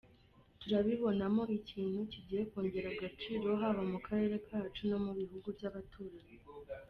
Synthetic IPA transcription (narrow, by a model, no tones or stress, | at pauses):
tuɾaβiβo̞namo̞ʔiciːnhuciɟiːje̞ko̞ːɲɟe̞ɾaɡat͡ʃiːɾo̞ɦaβamukʰaɾe̞ːɾe̞kʰaːt͡ʃuno̞muβiɦuɡubjaβatuɾaje